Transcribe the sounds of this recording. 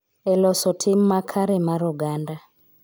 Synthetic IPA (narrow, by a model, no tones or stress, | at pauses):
ɛlɔsɔtʰimːakʰaɾɛmaɾɔɡanda